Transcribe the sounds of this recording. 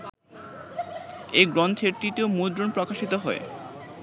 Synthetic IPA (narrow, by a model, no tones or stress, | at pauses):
eɡɾɔnt̪ʰeɾʈit̪eomud̪ɾonpɾɔkaʃit̪oɦɔe